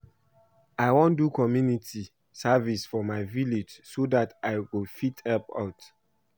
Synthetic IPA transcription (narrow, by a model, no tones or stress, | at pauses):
aɪwɔ̃ndukɔmjunitʰi | savisfɔmaɪviled͡ʒsodataɪwɪfithɛlpa̰ʊt